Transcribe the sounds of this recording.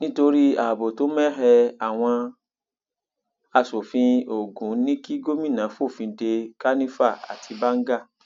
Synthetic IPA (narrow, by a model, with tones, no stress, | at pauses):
nĩ˦to˧ɾi˦a˨bo˨to˨˦mɛ˦ɦɛ˧a˨w̃ɔ̃˧ | a˧so˨fĩ˧o˨ɡũ˨˦nĩ˦ki˦ɡo˦mĩ˦˨nã˨˦fo˦˨fĩ˧˦de˧ka˦nĩ˦fa˦˨a̰˨tʰi˧ba˦ŋ̩˦ɡa˦˨